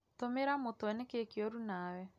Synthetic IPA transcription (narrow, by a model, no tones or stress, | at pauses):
tomeɾamotwɛnɛkekiɔɾunawɛ